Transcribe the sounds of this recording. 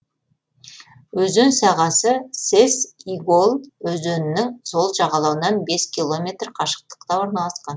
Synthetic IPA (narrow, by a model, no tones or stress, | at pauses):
wɵzɵnsɑʁɑsəsesiɡo̞lˠwɵzɵnɪnɪŋzo̞lˠʒɑʁɑlˠɑwənɑnbe̞skʲilˠo̞mʲe̞t̪rqʰɑʃə̥q̚t̪ə̥qt̪ɑwo̞ɾnɑlˠɑsqɑn